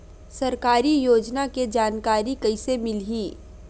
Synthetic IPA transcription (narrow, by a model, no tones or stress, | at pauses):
sɐɾkaːɾijoːd͡ʒnaked͡ʒaːnkaːɾikɐɪsemɪlɦiː